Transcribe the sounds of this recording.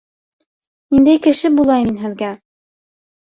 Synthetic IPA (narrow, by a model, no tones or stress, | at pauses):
nind̪æjkɘ̆ʃɘbulˠɑjminɦɘ̆ðɡæ